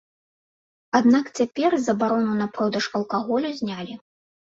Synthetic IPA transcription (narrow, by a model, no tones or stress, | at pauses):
ad̪nakt͡sʲapʲɛrzɐbaɾɔnunɐpɾɔd̪ɐʂɐlˠkaɣɔlʲuzʲnʲalʲi